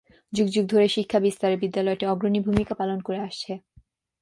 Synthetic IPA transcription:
d͡ʑuɡd͡ʑuɡ̚d̪ʱoɾeʃikʰːabist̪aɾebid̪ːalɔeteɔɡɾonibʱumikapalonkoɾeaʃt͡ɕʰe

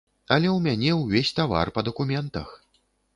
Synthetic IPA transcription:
ɐlʲɛwmʲanʲɛwvʲesʲt̪ava̰rpɐd̪ɐkumʲɛnt̪ɐ̰x

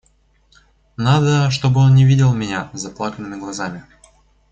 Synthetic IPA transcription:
nad̪əʂt̪o̞bɨo̞nnʲɪvʲidʲɪlˠmʲɪnʲazɐplˠakənɨmʲɪɡlˠɐzamʲɪ

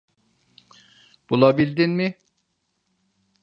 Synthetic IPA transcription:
b̥ulˠabilʲd̪inmɪ

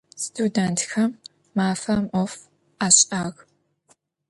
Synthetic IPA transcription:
stʰudɐntʰxɐmː | aːfɐmʔɔf | aːɕʼaːɣ

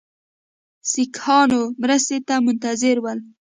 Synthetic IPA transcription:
sikhɑnomɾəst̪et̪amʊnt̪azɪɾwəl

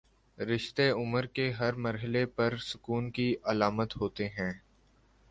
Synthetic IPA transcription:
ɾɪʃt̪eʊməɾkeɦɐɾmɐɾɦɪlepɐɾsʊkuːnkiʔɐlaːmət̪ɦoːt̪eɦɛ̃ː

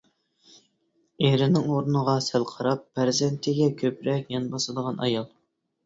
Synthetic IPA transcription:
eɾɪnɪŋoɾnəʁɑsælqʰɑɾɑpːæɾzɛnt̪ʰɪɡʲɛkʲʰøpɾɛkʲjɑnbɑsɨd̪əʁɑnʔɑjɑlˠ

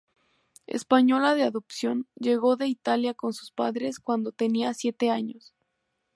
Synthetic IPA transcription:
e̞̰spaɲo̞laðe̞aðopsjo̞nd͡ʒe̞ɣo̞ðe̞it̪aljako̞nsu̥spa̰ðɾe̞skwand̪o̞t̪e̞niasje̞t̪e̞aɲo̞s

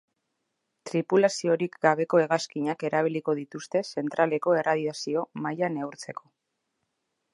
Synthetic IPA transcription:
t̪ɾipulasio̞ɾikɡaβ̞e̞ko̞e̞ɣaskiɲake̞ɾaβ̞iliko̞ðit̪ust̪e̞se̞nt̪ɾale̞ko̞e̞rað̞iasio̞majane̞wɾt͡se̞kʰo̞

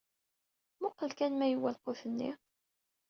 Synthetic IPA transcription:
mʊqːəlkænmæjwælqʊθənːḭ

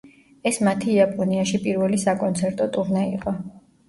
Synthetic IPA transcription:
ɛsmat̪ʰiːapʼɔniaʃipʼiɾvɛlisakʼɔnt̪sʰɛɾt̪ʼɔt̪ʼuɾnɛḭqʼɔ

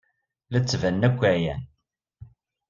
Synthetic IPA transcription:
læt͡sːvænːækʷːæjæn

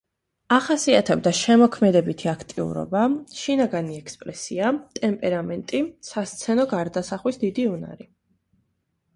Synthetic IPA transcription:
aχasiat̪ʰɛbd̪aʃɛmɔkʰmɛd̪ɛbit̪ʰiakʰt̪ʼiṵɾɔ̰baʃinaɡaniɛkʰspʼɾɛsiat̪ʼɛmpʼɛɾamɛnt̪ʼisast̪sʰɛnɔɡaɾd̪asaχwisd̪id̪iuna̰ɾi

